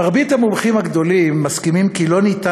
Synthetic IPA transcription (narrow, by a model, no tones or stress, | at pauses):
aʁbit̪hamumχimhaɡd̪o̞limːaskimimkilo̞nit̪a